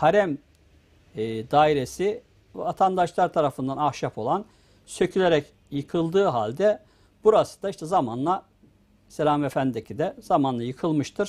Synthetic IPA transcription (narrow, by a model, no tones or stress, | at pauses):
haɾæm | d̪aːiɾesi | vɛvat̪ʰand̪aʃlˠaɾt̪ʰaɾafɯnd̪anahʃapo̞lˠan | sø̞cʰylʲeɾɛc | jɯkʰɯlˠd̪ɯːɦalʲd̪ɛ | buɾasɯ̥d̪aiʃt̪ʰɛzamanlˠa | selʲaːmefænd̪id̪ecʰid̪ɛz̥amanlˠajɯkʰɯlˠmɯʃt̪ʰɯɾ̥